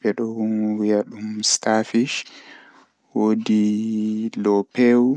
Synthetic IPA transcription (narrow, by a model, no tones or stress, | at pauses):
bɛɗɔnwijaɗumstafiʃ | wodi | lɔpɛw